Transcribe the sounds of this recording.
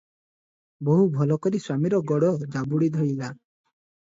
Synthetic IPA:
boɦubʱɔlɔkɔɾiswamiɾɔɡɔɽɔd͡ʒabuɽid̪ʱɔɽila

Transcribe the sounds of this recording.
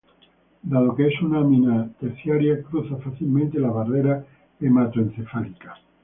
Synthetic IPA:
d̪aðo̞keesunaminat̪eɾθjaɾjakɾuθafaθilmẽnt̪e̞laβareɾa | kemat̪oenθefalikḁ

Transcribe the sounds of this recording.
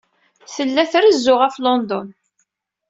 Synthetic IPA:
θəlːæθɾəzːʊʁæflɔnd̪ɔn

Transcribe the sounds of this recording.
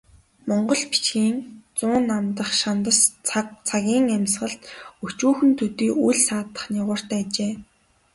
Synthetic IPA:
mɔɴɢɞ̆ɮpi̥t͡ɕɡiːŋt͡sʊːnːamt̪ə̆χʃant̪ə̆st͡sʰaɣʲiːŋæmsʁə̆ɬt̪ɵt͡ɕuːxɘ̆nt̪ʰut̪iːujɮsaːt̪ə̥̆χnaʁʊːr̥t̪æːt͡ɕeː

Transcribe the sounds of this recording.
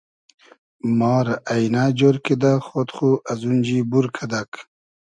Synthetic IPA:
mɑːɾaʔajnaːd͡ʑoɾked̪axot̪χuʔɐzund͡ʑibuɾkʰad̪ak

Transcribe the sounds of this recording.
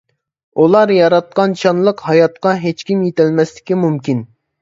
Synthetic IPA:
ulˠɑɾjɑɾɑt̪̚qɑnt͡ʃʰɑnlˠəqhɑjɑt̪qɑɦet͡ʃkʲimjet̪ɪlmɛslɪ̥kʲimumkʲin

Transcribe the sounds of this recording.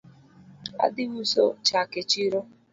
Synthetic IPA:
a̰dɪwuso̰t͡ʃaket͡ʃiɾo

